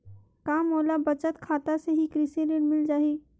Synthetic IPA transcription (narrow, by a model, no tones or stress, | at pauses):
kaːmoːlabɐt͡ʃət̪kʰaːt̪aseɦikɾɪseleɽmɪld͡ʒaːiː